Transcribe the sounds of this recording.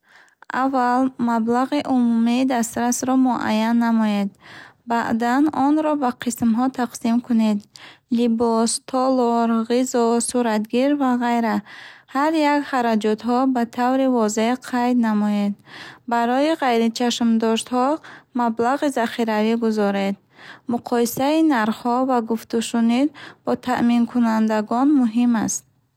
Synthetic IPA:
ʔavːalmablaʁiʔumumid̪ast̪ɾasɾɔmuʔa̰jːanːamɔed̪baʔd̪anɔnɾɔbaqʰismɦɔt̪ʰaqsimkʰune̞d̪libɔst̪ʰɔlɔɾʁizɔsuɾat̪ɡiɾvaʁajɾahaɾjakχaɾad͡ʒɔt̪ɦɔbat̪ʰavɾivɔzeqʰajd̪namɔjed̪baɾɔiʁajɾit͡ʃʰaʃmd̪ɔʃt̪hɔmablaʁizaχiɾaviɡuzɔɾe̞d̪̚ | muqʰɔjisainaɾχhɔvaɡuft̪uʃunid̪bɔt̪ʰa̰ʔminkʰunand̪aɡɔnmuɦimast̪̚

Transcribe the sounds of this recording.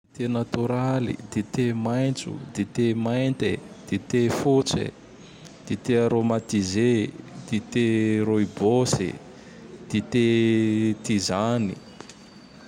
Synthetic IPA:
it̪enat̪uɾalḭd̪̥et̪emajnt͡sṵd̪et̪emajnt̪e | d̪̥et̪efut͡sḛ | d̪̥it̪eaɾomat̪ized̪̥it̪eɾoibosḭ | d̪̥it̪e | t̪izanḭ

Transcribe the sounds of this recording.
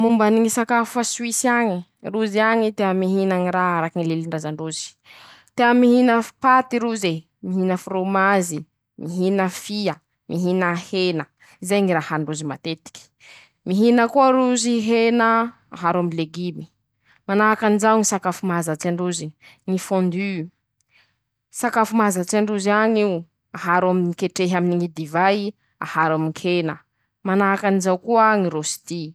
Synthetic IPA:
mumbaniŋisakafaswisiaŋi | ruziaŋit̪eamiɦinaŋiɾaaɾakiŋileliɳɖ͡ʐazaɳɖ͡ʐuzi̥ | t̪eamiɦinəpat̪iɾuze | miɦinəfuɾomazi | miɦinəfiə | mʔiɦinəhenə | izajŋiɾahaɳɖ͡ʐuzimat̪et̪i̥kʲi̥ | miɦinəkuaɾuziɦenə | aɦaɾamileɡimi̥ | manaakanizawŋisakafumazat͡saɳɖ͡ʐuziŋifõnd̪y | sakafumazat͡saɳɖ͡ʐuziaɲi | aɦaɾaminikeʈ͡ʂeɦaminiŋid̪ivaj | a̰haɾamiŋkʰenə | manaakanizawkuəŋiɾosi̥t̪i

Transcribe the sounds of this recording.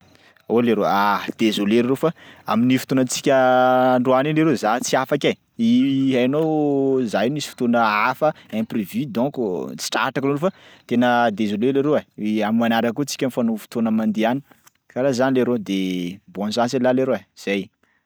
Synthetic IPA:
oleɾoad̪̥ezoleɾiɾofaa̰minifi̥t̪onət͡si̥kʲəɳɖ͡ʐuanineɾozat͡siafaka | iɦajnowzajnisi̥fi̥t̪onəafəẽprevid̪ɔ̃kt͡si̥ʈ͡ʂa̰ʈ͡ʂakinulufat̪enəd̪ezoleleɾoaamimanaɾakut͡si̥kʲənifanufi̥t̪onəmand̪iani̥ | kaɾazanileɾod̪ebɔ̃nzãnselaleɾoaz̥ej

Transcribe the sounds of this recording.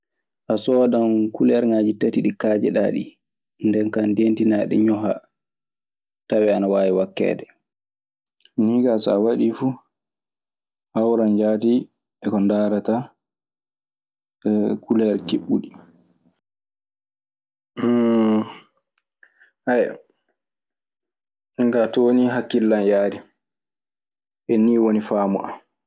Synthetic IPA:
ʔasɔɗamkulɛɾŋaːd͡ʒitatiɗikaːd͡ʒɛ̰ɗa̰ɗḭ | ndɛnkandentinaɗɛ̰ɲɔɦa̰ | tawɛanawaːjiwakːɛ̰ːdɛ | niːkasa̰waɗifu | hawɾand͡ʒaːti | ɛkɔndaːɾata | kulɛɾkiɓːuɗi | haja | iŋɡatoniɦakːilːanjaːɾi | ɛniːwonifaːmuʔa̰m

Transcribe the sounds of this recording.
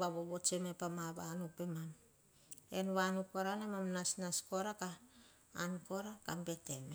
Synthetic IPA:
baβoβot͡ʃemepamaβanupe̞mam | enβanupoɾanemamnasnaskoɾakaː | nko̞ɾakambe̞teme

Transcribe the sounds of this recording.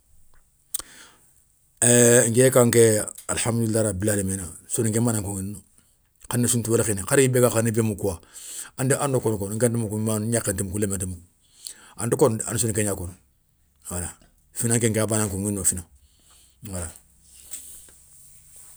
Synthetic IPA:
eŋ̩kekaŋkɛa̰lhamilːaɾabilalemenasoniŋkɛmbaːnãŋkoŋinno | kanːesũntuwelekinikaɾikibekakanibemukuwaandiʔãndokonkonŋ̩kentemukumanakentemukulementemu | antokona̰nisonikeɲaːkono | wala | finãŋkeŋkeabanãŋkoŋinnofina | wala

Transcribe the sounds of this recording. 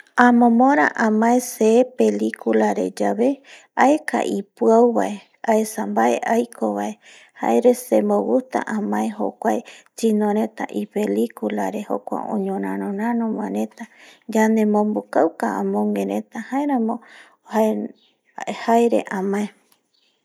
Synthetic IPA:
ãmõmõɾ̃aʔãmãeseːpe̞likulaɾḛd͡ʒaβe̞ | aeka̰ʔipuawβa̰ʔe̞ | aesambaḛʔajkʰoβae̞ | ha̰eɾesembowut̪a̰ʔãmãeɦo̰kʷajt͡ʃinõɾẽ̞t̪a̰ʔipe̞likula̰ɾe̞ho̰kʷa̰õ̰ɲõɾãɾõɾãnõmãɾẽ̞t̪ad͡ʒand̪e̞mõmbukawkaã̰mõŋɡẽɾẽt̪ahaeɾãmõ | hae | haeɾḛʔãmãe

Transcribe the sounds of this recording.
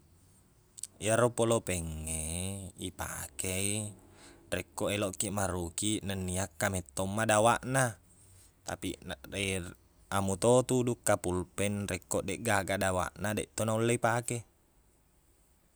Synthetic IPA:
jaɾopolopɛŋːeipa̰kei | rɛkːoʔeloʔkːiʔmaɾukiʔnanːiakːamet̪ːomːadawaʔna | t̪a̰pie | amut̪ot̪udukːapulpɛnrɛkːoʔdeʔɡaɡadawa̰ʔnadeʔt̪onaulːeipake

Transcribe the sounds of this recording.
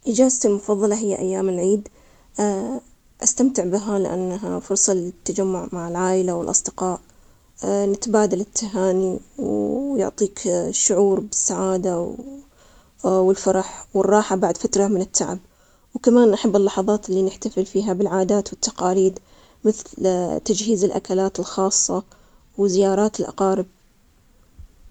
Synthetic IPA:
ʔɪd͡ʒaːzt̪ilmʊfɑðˤːɑlɑɦɪjːaʔajːaːmɪlʕiːd̪ | ʔast̪amt̪ɪʕbɪɦalɪ̰ʔa̰nːɦafʊɾsˤɑlɪt̪ːad͡ʒamːʊʕmaʕɪlʕaːʔɪlawɪlʔɑ̰sˤd̪ɪqɑːʔ | nɪt̪baːd̪alɪt̪ʰːaɦaːniwjʊ̰ʕt̪ˤiːkʃːʊʕuːɾbɪsːaʕaːd̪a | wɪlfɑɾˤɑħwɪrˤːɑːħabaʕd̪fat̪ɾɑmɪnɪt̪ːa̰ʕɪ̰b̚ | wkamaːnʔaħabːɪlːɑħɑðˤɑːt̪ɪlːinɪħt̪afɪlfiːɦabɪlʕaːd̪aːt̪wɪt̪ːɑqɑːliːd̪ | mɪθlt̪ad͡ʒhiːzɪlʔa̰kalaːt̪ɪlxɑːsˤːɑ | wɪzɪjɑːɾˤɑːt̪ɪlʔɑ̰qɑːɾɪb̚

